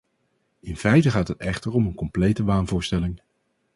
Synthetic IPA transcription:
ɪnfɛjtəχaːtɦətɛχtəɹɔmənkɔmplejtəʋaːnvʊːɹstɛlɪŋ

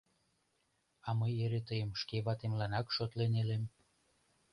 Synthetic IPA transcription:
ɑməjeɾet̪əjəmʃkeβɑt̪emlɑnɑkʃot̪lenelem

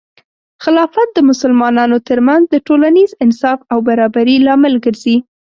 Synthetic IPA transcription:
xɪlɑfat̪̚d̪əmʊsəlmɑnɑnot̪əɾmanzd̪əʈolanizɪnsɑfawbaɾɑbaɾilɑmɪlɡəɾzi

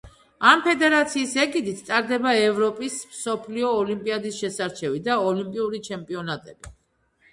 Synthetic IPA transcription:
ampʰɛd̪ɛɾat̪sʰiːsɛɡid̪it̪ʰt̪ʼaɾd̪ɛbaɛvɾɔpʼismsɔpʰliɔːlimpʼiad̪isʃɛsaɾt͡ʃʰɛvid̪aɔlimpʼiuɾit͡ʃʰɛmpʼiɔnat̪ʼɛb̥i

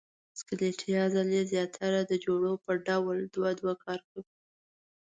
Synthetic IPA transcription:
skəleʈʰijɑzalezjɑt̪ʰaɾad̪əd͡ʒoɽopəɖawld̪wad̪wakʰɑɾkawi

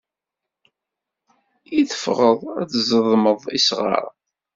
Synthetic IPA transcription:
iθə̥fʁəðˤæ̰θzəðˤməðˤisʁɑ̰ɾˤ

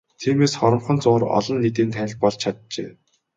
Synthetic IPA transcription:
t̪ʰiːmeːsχɔɾɞ̆mχɞ̆nt͡sʊːrɔ̰ɮɞ̆nːit̪eːnt̪ʰænʲɪ̆ɮpɔɮt͡ɕʰat̪̚t͡ɕḛː

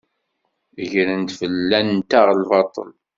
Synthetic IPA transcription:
əʝɾənt̪fəlːænt̪aʁlvɑt̪ˤə̰l

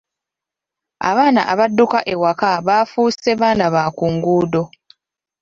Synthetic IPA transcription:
a̰βaːna̰ʔaβadːukaʔe̞wakaβaːfuːsseβaːnaβaːkuːŋɡuːdo̞

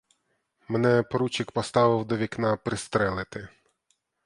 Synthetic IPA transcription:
mɛnɛpɔɾut͡ʃʲɪkpɔst̪ɑʋɪwd̪ɔʋʲiknɑpɾɪst̪ɾɛlˠɪt̪ɪ

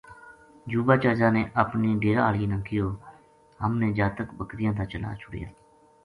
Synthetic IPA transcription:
d͡ʒuːbaːt͡ʃəɾd͡ʒaːneːʔəpniːɖeːɾaːɭinãːkɪjoː | ɦəmnẽːd͡ʒaːt̪əkbəkd̪ɪjãːt̪aːt͡ʃəla̰ːt͡ʃʰʊɽ̰ja̰ː

